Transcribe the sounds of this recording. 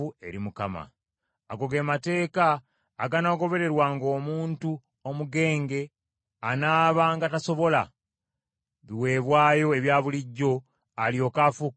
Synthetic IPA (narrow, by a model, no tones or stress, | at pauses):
ue̞̰ɾimukama̰ | aɡo̞ɡe̞ːmate̞ːkaː | ɡanaɡo̞βe̞ɾe̞ɾwaŋɡo̞ːmuːntu | omuɡe̞ːŋɡe̞ | anaːβaŋɡataso̞βo̞la | βiwe̞ːβwaːjo̞e̞βjaːβuliɟːo̞ | aljo̞ːkafu